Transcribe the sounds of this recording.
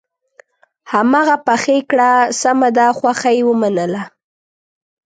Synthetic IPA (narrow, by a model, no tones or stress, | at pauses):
hamɑɣapaxekɽasamad̪axwaxajewəmanəla